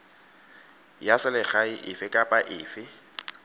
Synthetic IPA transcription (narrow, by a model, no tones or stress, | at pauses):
jasɪlɪχaɪʔɪfɪkʼapʼaʔɪːfɪ